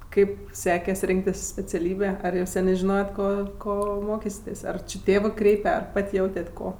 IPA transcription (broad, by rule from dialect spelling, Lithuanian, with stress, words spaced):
ˈkɐɪp ˈsʲæːkʲɛs ˈrʲɪŋktʲɪs sʲpʲɛt͡sʲɛˈlʲiːbʲeː ˈɐr jɛʊ ˈsʲæːnʲeː ʒʲɪˈnoːjɛt ˈkoː koː ˈmoːkʲiːsʲɪtʲeːsʲ ɐr t͡ʃʲɪ ˈtʲeːʋɜ ˈkrʲɛɪpʲɛ ɐr ˈpɐtʲ ˈjɛʊtʲɛtʲ ˈkoː